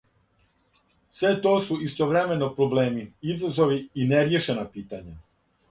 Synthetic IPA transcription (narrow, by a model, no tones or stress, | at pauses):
sʋe̞t̪o̞ːsuist̪o̞ʋɾeme̞no̞pɾoble̞ːmiizazo̞ʋiineɾjeʃenapiːt̪aɲa